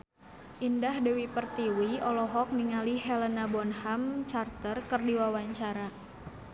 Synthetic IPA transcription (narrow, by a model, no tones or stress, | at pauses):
ʔindahdəwipərt̪iwiɔlɔɦɔk̚niŋaliɦɛlənabɔnhamt͡ʃart̪ərkərdiwawaɲt͡ʃaɾa